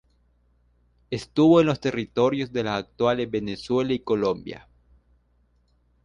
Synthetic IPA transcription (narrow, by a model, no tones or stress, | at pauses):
est̪uβoenlo̞st̪e̞rit̪o̞ɾjo̞zðe̞lasak̚t̪walezβe̞neswe̞laiko̞lombja̰